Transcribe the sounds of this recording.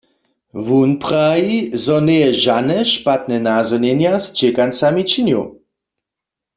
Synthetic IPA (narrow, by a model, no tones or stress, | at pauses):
vunpʁaizɔnɛjɛʒanɛʃpat̪nɛnazɔnɛnjast͡ʃɛkant͡samit͡ʃinjṵ